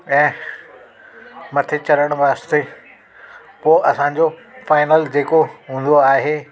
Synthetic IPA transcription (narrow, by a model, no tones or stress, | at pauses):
ɛ̃ː | mɐt̪ʰet͡ɕɐɾəɽ̃ʋaːst̪e | poːʔɐsãɲd͡ʑofaːɪnəld͡ʑeːkoɦũːn̆d̪oaːɦeː